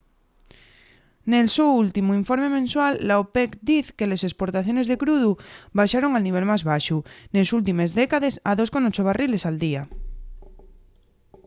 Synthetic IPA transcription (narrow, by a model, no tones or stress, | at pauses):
nelsuult̪imuiɱfo̞ɾmemẽnswalːaopekd̪iθkelesespo̞ɾt̪aθjo̞ne̞zðe̞kɾuð̞uβajʃaɾoŋalniβ̞elmazβaʃune̞sult̪ime̞zðekaðesaðosko̞not͡ʃoβ̞arile̞sald̪ia